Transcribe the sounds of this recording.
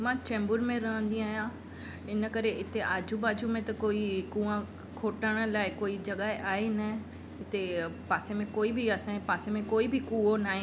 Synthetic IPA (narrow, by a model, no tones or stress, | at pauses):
mãːt͡ɕɛ̃ːmbʊɾmẽɾɐɦə̃nd̪ĩaːɦijã | ɪnə̆kɐɾeʔɪt̪eʔaːd͡ʑʱubaːd͡ʑumẽt̪ɐkoːikũːã | kʰoːʈəɽ̃ə̆laːɪkoːid͡ʑɐɠaːeʔaːɦenɐ | ɪt̪epaːsemẽkoːibɪiɐsãpaːsemẽkoːibʱɪkuːonaːɦẽ